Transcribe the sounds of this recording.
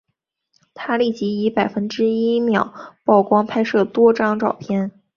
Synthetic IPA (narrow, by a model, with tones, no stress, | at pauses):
t̪ʰa˥li˥˩t͡ɕi˧˥i˧˥pa˨˩ɪfə˥nʈ͡ʂɻ̩˥i˥mjɑ˨˩˦ʊpɑ˥˩ʊkwɑ˥ŋpʰa˥ɪʂɤ˥˩t̪wɔ˥ʈ͡ʂɑ˥ŋʈ͡ʂɑ˨˩ʊpʰjɛ˥˩n